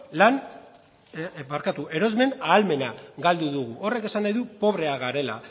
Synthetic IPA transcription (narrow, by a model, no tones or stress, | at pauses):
lan | maɾkat̪uʔe̞ɾo̞zme̞naːlme̞naɣald̪uðuɣ̞uʔo̞re̞ke̞sanajðupo̞β̞ɾe̞aɣaɾe̞la̰